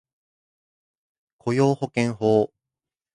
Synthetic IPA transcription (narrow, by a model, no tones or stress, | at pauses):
kʰo̞jo̞ːho̞kẽɰ̃hoː